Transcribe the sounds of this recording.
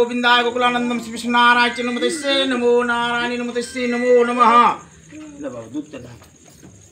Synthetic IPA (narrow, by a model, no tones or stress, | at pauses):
oːbind̪aːjɐkɐkulaːnɐnd̪ɐmsipiʂnaːɾaːjt͡ʃʲjɐnɐmɐt̪ɐsːeːnɐmoːnaːɾaːninɐmɐt̪ɐsːeːnɐmoːnɐmɐɦɐ | ɐbɐd̪uk̚t̪ɐd̪aːt͡ʃɐ